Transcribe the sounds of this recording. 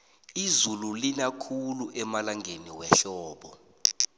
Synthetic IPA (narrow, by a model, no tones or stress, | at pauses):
izululinakʰuluʔɛmalaŋʱeniwɛɬɔːɓɔ